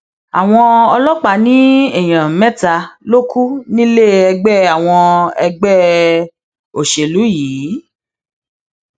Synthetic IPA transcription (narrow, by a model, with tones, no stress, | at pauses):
a̰˨w̃ɔ̃˧ɔ˧lɔ˦k͡pa˨˦nĩ˦ɛ˨j̃ã˨mɛ̃˦ta˧lo˦ku˦nĩ˦le˦˨ɛ˧ɡ͡bɛ˦˨a˨w̃ɔ̃˧ɛ˧ɡ͡bɛ˦ | o˨ʃe˨lu˨˦jiː˨˦